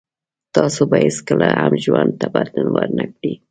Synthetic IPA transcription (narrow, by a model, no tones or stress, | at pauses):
t̪ɑsobajeskəlahamʒwand̪̚t̪abaɾd̪anwaɾnakɽi